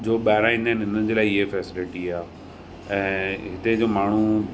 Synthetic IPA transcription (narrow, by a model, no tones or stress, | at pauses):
d͡ʑoːɓaːɪɾãĩːnd̪aːnɪ̃nə̆d͡ʑeːlaːɪɪɦefɛːsɪlɪʈiaː | ɛ̃ːɦɪt̪ed͡ʑoːmaːɳ̤u